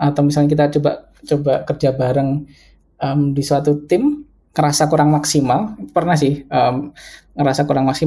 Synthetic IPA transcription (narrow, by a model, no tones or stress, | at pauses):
at̪awmisalɲakit̪at͡ʃoba̰ | t͡ʃobaʔkərd͡ʒabaɾəŋ | ʔəmdisəwat̪ut̪ɪm | ŋəɾasakuɾaŋmaksimaliupərnas̬ɪhəmŋəɾasakuɾaŋmaksi